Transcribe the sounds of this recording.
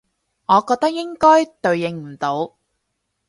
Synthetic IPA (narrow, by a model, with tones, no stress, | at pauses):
ŋɔː˨˧kɔː˧k̚t̪ɐ˥k̚jɪ˥ŋkɔː˥jt̪ɵ˨˧ɥjɪ˨˧ŋm̩˨˩t̪o˨˧w